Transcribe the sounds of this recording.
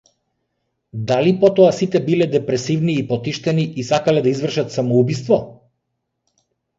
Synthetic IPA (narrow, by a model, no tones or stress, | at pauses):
d̪alipɔt̪ɔasit̪ɛbilɛd̪ɛpɾɛsivniːpɔt̪iʃt̪ɛniʔisakalɛd̪aizvr̩ʃat̪samɔubist̪vɔ